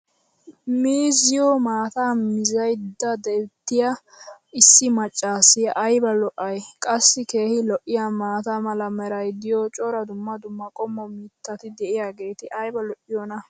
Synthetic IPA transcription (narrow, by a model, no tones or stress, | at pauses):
miːzɪjɔmaːt̪aːmɪzɐjd̪ːɐd̪ɛt̪ːɪja | ɪsːɪmɐt͡ʃʼːaːsɪʔɐjbɐlɔʔɐjkʼɐsːɪke̞ːhɪlɔʔːɪjamaːt̪amɐlɐmɛɾɐjd̪ɪjɔt͡ʃʼɔɾɐd̪ʊmːɐd̪ʊmːɐkʼɔmːɔmɪt̪ːɐt̪ɪd̪ɛʔɪjaːɡe̞ːt̪ɪʔɐjbɐlɔʔːɪjɔnɐ